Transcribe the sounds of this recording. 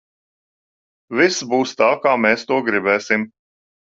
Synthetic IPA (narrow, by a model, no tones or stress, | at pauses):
visbuːst̪aːkaːmeːst̪uɔɡɾibɛːsim